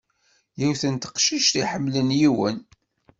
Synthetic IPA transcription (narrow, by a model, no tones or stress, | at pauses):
jiwθənt̪ə̥qʃiʃt̪iħəmːlənjiwə̰n